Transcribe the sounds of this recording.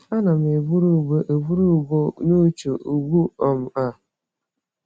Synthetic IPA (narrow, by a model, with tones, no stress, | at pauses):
a˦na˨m˨e˨bu˦ɾu˦˨bo˦ʔe˨vu˦ɾu˦˨bo˦nu˦t͡ʃu˨ʔu˨ɡʷu˦ɔ˨m̩˨a˦˨